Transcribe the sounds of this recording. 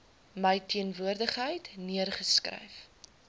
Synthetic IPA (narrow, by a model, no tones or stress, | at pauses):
məjtʰiənvuərdəχɦəjtniərχəskrə̰jf